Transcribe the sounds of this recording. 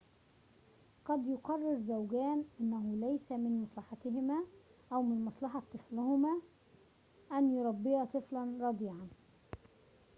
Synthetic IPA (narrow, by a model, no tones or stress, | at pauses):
qɑd̪jʊqɑrˤːɑɾzawɡæːnʔɪnːæɦʊlæjsæmɪnmɑsˤlɑħɑt̪ɪɦɪmæːʔæwmɪnmɑsˤlɑħɑt̪ˤːɨflʊhʊmæː | ʔænjʊɾˤɑbːɪɑt̪ˤɨflɑnɾˤɑd̪ˤiːʕɑn